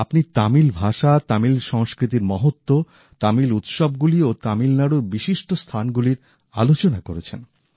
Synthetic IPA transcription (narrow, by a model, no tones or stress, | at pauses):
apnit̪amilbʱaʃat̪amilʃɔŋskɾit̪̬iɾmɔɦot̪ːo | t̪amilut̪ʃɔb̚ɡuliot̪amilnaɽuɾbiʃiʃʈost̪ʰanɡuliɾ | a̰lot͡ɕonakoɾet͡ɕʰen